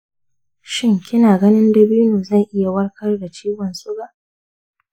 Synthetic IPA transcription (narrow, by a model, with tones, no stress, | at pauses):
ʃɪ˦˨ŋkʲʰɪ˦naː˨ɡɐ˦nɪ˦ndɐ˨biː˦nuː˨zɐ˦˨jʔɪ˦ja˨wɐ˦rkɐ˦rda˨t͡ʃiː˦ɡɐ˨nsʊ˦ɡaː˨ʔ